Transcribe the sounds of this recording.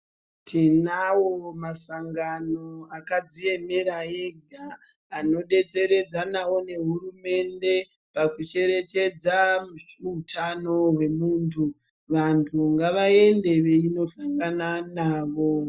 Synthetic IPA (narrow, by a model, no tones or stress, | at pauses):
tʰinawomasaŋɡanoakad͡zie̞meɾae̞ɡʱaː | no̞ɗe̞t͡se̞ɾe̞d͡zanawo̞ne̞ɦurume̞nde̞ | pakut͡ʃe̞ɾe̞t͡ʃe̞d͡zamiutʰano̞ɦwe̞muːntʰu | ʋantʰuŋɡaʋae̞nde̞ʋe̞ino̞ɬaŋɡananaːʋo̞